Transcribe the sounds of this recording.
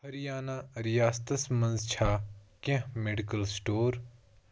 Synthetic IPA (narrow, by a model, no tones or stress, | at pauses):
hɐɾijaːnaɾijaːst̪ɐsmɐ̃nzt͡ʃʰakẽmeɖikəlsʈoːɾ